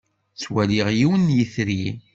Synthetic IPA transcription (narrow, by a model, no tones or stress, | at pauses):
t͡swæliʁjiwənjiθɾi